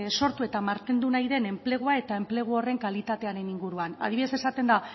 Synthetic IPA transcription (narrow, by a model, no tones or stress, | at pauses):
so̞ɾt̪ue̞t̪amaɾt̪end̪unajðe̞ne̞mple̞ɣ̞uae̞t̪ae̞mple̞ɣ̞uore̞ŋkalit̪at̪e̞aɾe̞niŋɡuɾuana̰ðiβiðe̞se̞sat̪e̞nd̪a